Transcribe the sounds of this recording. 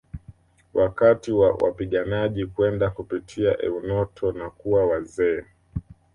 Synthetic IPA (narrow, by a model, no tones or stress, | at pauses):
wʔakatiwawʔa̰piɠanaʄikwɛndakupitʰiaʔɛ̰unɔtʰɔnakuawazɛː